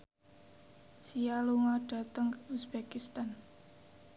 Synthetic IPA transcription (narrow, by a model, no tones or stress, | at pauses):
sijaluŋɔɖ̥ä̤t̪əŋkəusbekist̪an